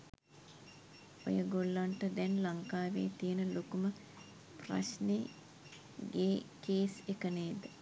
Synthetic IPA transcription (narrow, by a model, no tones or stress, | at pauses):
o̰jəɡolːaɳʈəd̪ɛnlaŋkaːʋḛːt̪ijənəlokumə | pra̰ʃne | ɡeːkeːsekəneːd̪ə